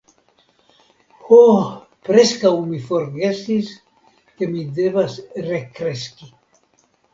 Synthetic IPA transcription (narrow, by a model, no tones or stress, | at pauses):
ho | pɾeskawmifoɾɡesis | ke̞mid̪eβasrekɾeski